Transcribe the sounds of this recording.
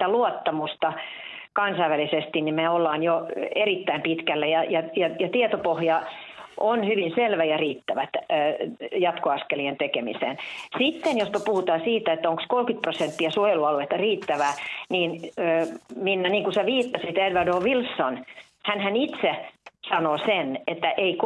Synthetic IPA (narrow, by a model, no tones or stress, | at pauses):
t̪æluot̪ːɑmust̪ɑ | kɑnsɑiʋælisest̪innimeolːɑːnjoerit̪ːæimpit̪kælːæjɑjɑjɑjɑt̪iet̪opohjɑʔonhyʋinselʋæjɑriːt̪ːæʋæt̪ː | jɑt̪koɑskelient̪ekemḭsḛːnsit̪ːenjospɑpuhut̪ɑːsiːt̪æet̪ːæoŋkskolkyt̪̚prosent̪ːiɑsuojeluɑluet̪ːɑriːt̪ːæʋæːniːnː | minːæniːŋkuseʋiːt̪ːɑsit̪edʋɑdoːʋilsːon | hænhænit̪sesɑnoːsenet̪ːæʔeik